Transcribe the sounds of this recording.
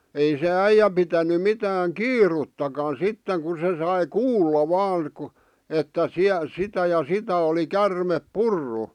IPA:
ei se æijæ pitæny mitæːŋ kiːrutːɑkɑn̞ sitːeŋ ku se sɑi kuːlːɑ ʋɑːŋ k̆ŭ etːæ siæ sitæ jɑ sitæ oli kærmep purːu

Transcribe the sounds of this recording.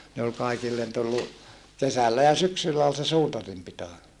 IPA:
ne ol kɑikilːen tulːu kesælːæ jɑ syksylːæ ol se suːtɑrim pito

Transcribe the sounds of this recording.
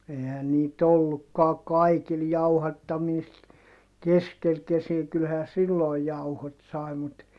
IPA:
eihæn niːt olːukːɑː kɑikil jɑuhɑtːɑmiːst keskel kesiæ kylhæː silːoˑi jɑuhot sɑˑi mut

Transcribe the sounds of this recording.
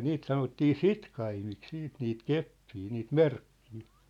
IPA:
niːt sɑnotːiː sitkɑimik siːt niːt kepːiː niːt merkːiː

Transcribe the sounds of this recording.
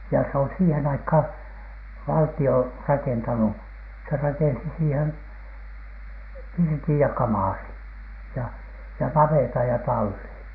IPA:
jɑ se on siːhen ɑikhɑˑn ʋɑltio rɑkentɑnu se rɑkensi siːhen pirtij jɑ kɑmɑˑrin jɑ jɑ nɑʋeˑtɑj jɑ tɑlːin

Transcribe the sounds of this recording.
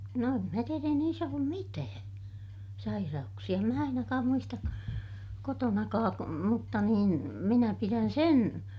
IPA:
no em mæ tier ei niːs olːum mitæː sɑirɑuksiɑ em mæ ɑinɑkɑːm muistɑk kotonɑkɑːk mutːɑ nin minæ piræn sen

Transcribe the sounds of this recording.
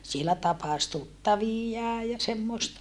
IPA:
sielæ tɑpɑs tutːɑʋijːɑː jɑ semːoˑestɑ

